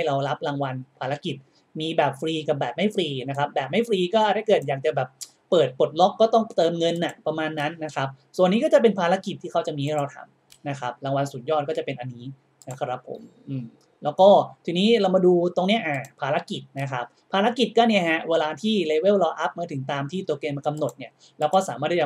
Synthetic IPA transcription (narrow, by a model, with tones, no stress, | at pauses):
ha˥˩jɾa˧wla˦˥p̚laː˧ŋwa˧npʰaː˧la˦˥ki˨˩t̪̚ | miː˧bɛː˨˩p̚fɾiː˧ka˨˩p̚bɛː˨˩p̚ma˥˩jfʰɾiː˧na˦˥kʰa˦˥p̚bɛː˨˩p̚ma˥˩jfɾiː˧kɔː˥˩˦da˥˩jkɤː˨˩t̪̚jaː˨˩k̚t͡ɕa˨˩bɛː˨˩p̚ | pːɤː˨˩t̪̚po˨˩t̪̚lɔ˦˥kːɔː˥˩t̪ɔ˥˩ŋt̪ɤː˧mŋɤ˧nːa˨˩pɾa˧maː˧nːa˦˥nːa˦˥kʰa˦˥p̚su˨˩ənːiː˦˥kɔ˥˩t͡ɕa˨˩p̬e˧npʰaː˧la˦˥ki˨˩t̪ʰːiː˥˩kʰa˥wt͡ɕa˨˩miː˧ha˥˩jɾa˧wt̪ʰa̰˧m | na˦˥kʰɾa˦˥p̚la˧ŋwa˧nsu˨˩˦njɔː˥˩t̪̚kɔː˥˩t͡ɕa˨˩pe˧nʔa˧nːiː˦˥ | na˦˥kʰa˥˩ɾa˦˥pʰːo̰˨˩˦m | ʔɯː˨˩m | lɛː˦˥wkɔː˥˩t̪ʰiː˧niː˦˥ɾa˧wmaː˧duː˧t̪o˧ŋni˦˥ɐʔaː˧˩pʰaː˧la˦˥ki˨˩t̪̚na˦˥kʰa˦˥p̚pʰːaː˧la˦˥ki˨˩t̪̚kɔː˥˩ni˥˩ɐɦɛ˦˥weː˧laː˧t̪ʰiː˥˩leː˧we˥˩wlɔː˧ʔa˦˥p̚maː˧˥t̪ʰɯ˩˦ŋt̪aː˧mt̪ʰiː˥˩t̪u˧ɐkeː˧m˧ka˧mno˨˩t̪̚ni˥˩ɐ | lɛː˦˥wkɔː˥˩saː˩˦maː˥˩a˥˩a˨˩